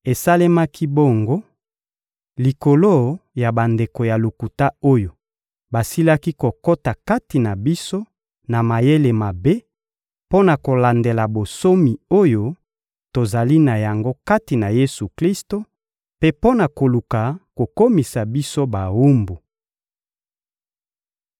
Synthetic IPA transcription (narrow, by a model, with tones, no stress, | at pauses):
e˨sa˦le˦ma˦kʰi˦bo˦ŋɡo˦ | li˨ko˨lo˦ja˨ba˨nde˨ko˨ja˨lo˨ku˨ta˦o˦jo˨ | ba˨si˦la˦ki˦ko˨ko˦ta˨ka˦ti˨na˨bi˦so˦ | na˨ma˨je˦le˨ma˨be˦ | po˦na˨ko˨la˨nde˨la˨bo˨so˦mi˨o˦jo˦ | to˨za˨li˦na˨ja˨ŋɡo˦ka˦ti˨na˨je˦su˨kli˦sto˦ | pe˦po˦na˨ko˨lu˨ka˨ko˨ko˦mi˨sa˨bi˦so˦ba˨wu˦mbo˨